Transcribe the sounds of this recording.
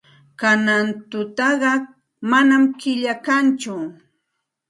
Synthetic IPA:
kanant̪ʊt̪ɑɢɑ | manamkɪʎakant͡ʃʊ

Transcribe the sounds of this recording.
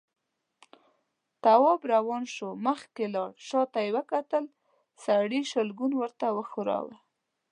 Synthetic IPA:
t̪awɑbɾawɑnʃoməxkelɑɽʃɑt̪ajwəkat̪əl | saɽiʃəlɡunwəɾt̪awəxʊɾɑ̰wə̰

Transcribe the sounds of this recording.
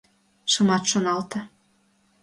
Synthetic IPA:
ʃɤ̆mɑt̪ʃonɑlt̪ɤ̆

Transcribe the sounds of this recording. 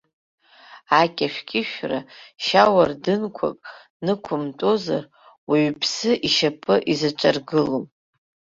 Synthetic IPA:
akʲʼaʃᶣkʲʼɪʃᶣraʃawardɨnkʷʰa̰kʼ | nɨkʷʰʊmtʼo̞za̰r | wiɥpʰsɨʔiʃapʰʼɨʔizat͡ʃʷʼarɡɨlom

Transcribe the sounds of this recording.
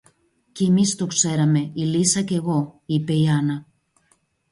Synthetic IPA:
cːmist̪o̞kse̞ɾɐme̞ilisɐce̞ɣo̞ipe̞iɐnɐ

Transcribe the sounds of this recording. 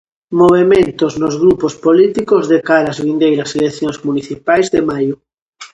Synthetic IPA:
moβ̞emẽnt̪oznozɣɾupospolit̪ikozðekaɾazβind̪ejɾaselekθjoŋzmuniθipajzðemajo

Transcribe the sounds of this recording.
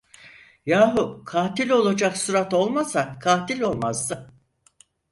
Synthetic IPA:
jaːɦukʰaːt̪ilʲo̞lˠad͡ʒaksuɾat̪o̞lˠmasakʰaːt̪ilʲo̞lˠmazd̪ɯ

